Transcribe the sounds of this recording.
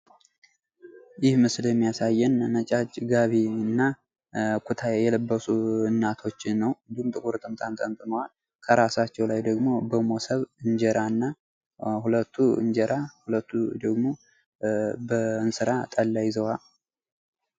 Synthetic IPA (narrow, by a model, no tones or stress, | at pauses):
jɪhmɨsljɛmːijasajːɛnnət͡ʃʼat͡ʃːɡaβiɨnːa | kʰut̪ʰajɛləbːəsuɨnːat̪ʰo̞t͡ʃːɪːəwɨnd̪ihumt̪ʼɨkʼuɾt̪ʼɨmt̪ʼant̪ʼənt̪ʼɨnəwal | kʰəɾasat͡ʃːɛwlajd̪əɡmo̞bəmo̞səβɨɲd͡ʒɛɾanːa | hulət̪ʰːuɨ̰nd͡ʒɛɾahulət̪ʰːud̪əɡmo̞ | bəɨnsɨɾat̪ʼəlːajzəwal